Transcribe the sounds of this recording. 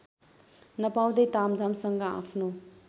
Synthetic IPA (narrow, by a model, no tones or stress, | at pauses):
nʌpaw̃d̪ʌjt̪amd͡zʱamsʌŋɡʌa̰pʰno